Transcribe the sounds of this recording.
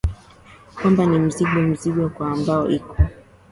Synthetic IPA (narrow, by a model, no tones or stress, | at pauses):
kwambanim̩ziɠɔm̩ziɠwɔkwaːmbaɔʔikɔ